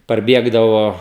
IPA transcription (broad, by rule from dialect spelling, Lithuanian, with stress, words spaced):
pɐrʲˈbʲiɛɡdɐʋoː